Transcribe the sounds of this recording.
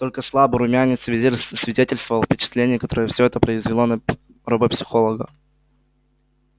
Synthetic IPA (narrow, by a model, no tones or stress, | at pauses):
t̪o̞lʲkəslˠabəɾʊmʲanʲɪt̪sʲsvʲɪdʲetʲɪlʲst̪vəvlˠfʲpʲɪt͡ɕɪ̥t̪lʲenʲɪjəkɐt̪o̞ɾəjəfsʲoɛt̪əpɾəɪzvʲɪlˠonɐ | ɾɐbəpʲsʲɪ̥xo̞lˠəɡə